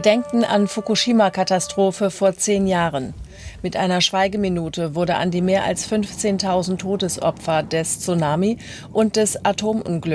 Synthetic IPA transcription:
dɛŋk̚tn̩ʔa̰nfukuʃiːmakʰatastʁ̥oːfəfoːɐt͡seːnjaːʁən | mɪtʔaɪnɐʃv̥aɪɡəminuːtəvʊɐdəʔa̰ndiːmeːɐʔa̰lsfʏnft͡seːntʰaʊzn̩tʰːoːdəsʔɔ̰pfɐdɛst͡sunaːmi | ʔʊnt̚d̥ɛsʔatʰoːmʔʊ̰nɡlʏk

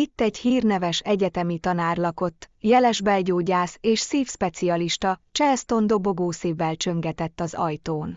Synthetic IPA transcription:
it̪ːɛɟhiːrnɛvɛʃɛɟɛt̪ɛmit̪ɒnaːrlɒko̞t̪ːjɛlɛʒbɛlɟoːɟaːseːʃsiːfʃpɛt̪siɒliʃt̪ɒt͡ʃɛst̪o̞nd̪o̞bo̞ɡoːsiːvːɛlt͡ʃø̞ŋɡɛt̪ɛt̪ːɒzɒ̰jt̪oːn

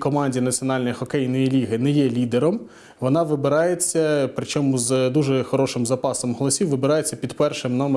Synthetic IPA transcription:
kɔmɑnʲdʲinɐt͡sʲiɔnɑlʲnɔjxɔkɛjnɔjilʲiɦɪnɛjɛlʲid̪eɾɔm | ʋɔnɑʋɪbɪɾɑjet͡sʲːɐpɾɪt͡ʃɔmʊzd̪uʒɛxɔɾɔʃɪmzɐpɑsɔmɦɔlˠɐɔsʲiwʋɪbɪɾɑjet͡sʲːɐpʲid̪pɛrʃɪmnɔm

